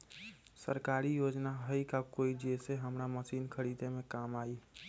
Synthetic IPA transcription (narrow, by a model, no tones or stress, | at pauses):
səɾkaːɾijod͡ʒnaɦəikakoid͡ʒeseɦəmɾaməsinkʰəɾid̪emẽkamaːi